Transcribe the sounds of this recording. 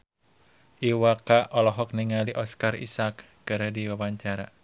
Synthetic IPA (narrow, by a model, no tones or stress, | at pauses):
ʔiwakaɔlɔɦɔk̚niŋaliʔɔskarḭsak | ɡ̥əɾediwawaɲt͡ʃaɾa